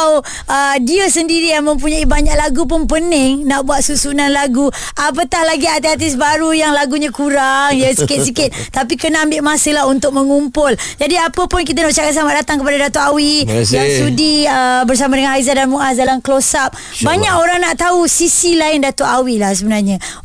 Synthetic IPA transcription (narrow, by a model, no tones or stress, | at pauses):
ədiəsəndiɾijaŋmə̃mp̬uɲaibaɲaʔlaɡup̬ʊnpənɪŋnaʔbuat̪̚susunanlaɡu | ʔap̬ət̪ahlaɡiat̪iat̪̬ɪs̬baɾujaŋlaɡuɲakuɾaŋjəsikɪt̪sikɪt̪̚t̪ap̬ikənaʔambɪʔmasəlaɦunt̪ʊk̚mə̃ŋumpʊl | d͡ʒadiapəpʊnkit̪̬anaʔt͡ʃakat̪samaʔdat̪aŋkəp̬adadat̪oʔawijaŋsudiəbərs̬amadəŋanhɦaizadanmuʔasdalamklosap̚ | baɲakoɾaŋnaʔt̪ausisilaɪndat̪oʔawilahsəbənarɲã